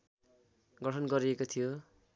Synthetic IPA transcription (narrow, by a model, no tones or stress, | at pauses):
ɡʌʈʰʌnɡʌɾiekot̪ʰijo